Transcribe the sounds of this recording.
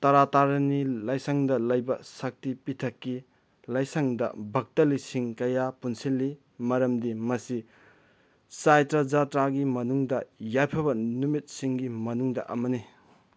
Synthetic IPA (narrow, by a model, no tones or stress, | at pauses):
tɐɾataɾɐnilɐjsaŋdɐlɐjbɐsak̚tipitʰɐkːi | lɐjsaŋdɐ̰bʱɐk̚tɐlisiŋkɐjapunsilːi | mɐɾɐmdimɐsi | sajtɾad͡ʒatɾaɡimɐnuŋdɐjajpʰɐβɐnumit̚siŋɡimɐnuŋdɐʔɐ̰mɐni